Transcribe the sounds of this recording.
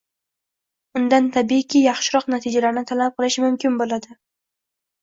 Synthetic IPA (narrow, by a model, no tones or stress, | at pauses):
ʊnd̪ant̪ʰabikʲʰɪjɑχʃɪɾɒqnat̪ʰid͡ʒalaɾɪnɪt̪ʰalap̚qʰɨlˠɪʃmʊmkʲɪnbolˠad̪ɪ